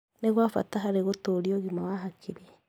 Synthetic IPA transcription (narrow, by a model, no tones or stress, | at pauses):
neɣwafa̰taɦaɾeɣotoɾioɣimawaɦakʰiɾɛ